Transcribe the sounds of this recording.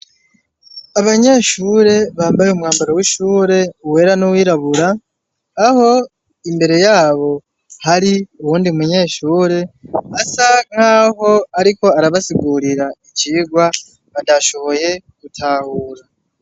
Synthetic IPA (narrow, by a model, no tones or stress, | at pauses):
aβaɲeʃuːɾe̞βaːmbajeumŋaːmbaɾowiʃuːɾe̞uwe̞ːɾanuwiːɾaβuɾaː | ho̞ | imbe̞ɾe̞jaːβo̞ | haɾiuwuːndimuɲe̞ːʃuːɾe̞asaŋ̥haːɦo̞aɾiko̞aɾaβasiɡuɾiɾait͡ʃiːɡwa | βandaʃo̞βo̞je̞ɡ̥utʰaːhuːɾa